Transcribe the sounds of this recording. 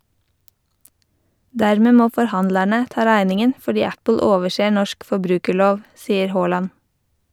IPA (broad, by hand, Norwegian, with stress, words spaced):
ˈdæɾmə ˈmoː fɔɾˈhɑndlæɳə ˈtɑː ˈɾæɪnɪŋən fɔˈɖiː ˈæpl̩ ˈoːʋəʃeː ˈɳɔʃk fɔˈbɾʉːkəˌɭoːʋ ˈsiːəɾ ˈhoːlɑn